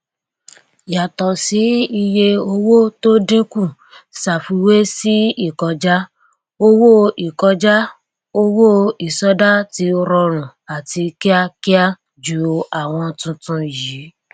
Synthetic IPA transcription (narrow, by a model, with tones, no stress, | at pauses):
ja˨tɔ˨si˨˦i˧je˧o˧wo˦to˦dĩ˦kũ˦˨ | sa˨fu˧˦we˦si˦i˦˨kɔ˧d͡ʒa˦ | o˦wo˦i˨kɔ˧d͡ʒa˦ | o˦wo˦i˨sɔ˨˦da˦ti˧ɾɔ˧ɾ̃ũ˨a˨ti˧ki˦a˦ki˦a˦ | d͡ʒu˨˧a˨w̃ɔ̃˧tũ˧tũ˧jiː˨˦